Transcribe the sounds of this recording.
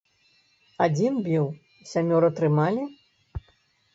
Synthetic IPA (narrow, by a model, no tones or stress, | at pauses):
ad͡zʲinbʲiw | sʲamʲɔɾɐt̪ɾɨmalʲi